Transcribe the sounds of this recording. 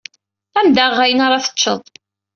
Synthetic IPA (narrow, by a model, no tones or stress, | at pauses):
æmd̪æʁːæjənaɾˤɑθə̥t͡ʃːə̰ðˤ